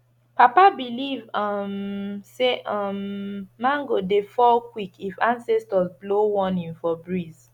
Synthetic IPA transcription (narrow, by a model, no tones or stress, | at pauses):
papabilivʌmseʔʌmːãŋɡodefɔlkwikifãnsɛstɔzblowɔ̃nĩnfɔbɹiz